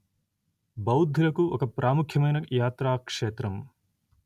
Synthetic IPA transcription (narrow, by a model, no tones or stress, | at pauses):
bɐwd̪ʱːilɐkuɔkɐpɾʔaːmukʰjɐmɐjnɐjaːt̪ɾaːkʂeːt̪ɾɐm